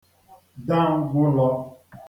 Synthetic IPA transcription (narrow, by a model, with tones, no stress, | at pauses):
da˦˨ŋ̩˦ɡʷʊ˦lɔ˦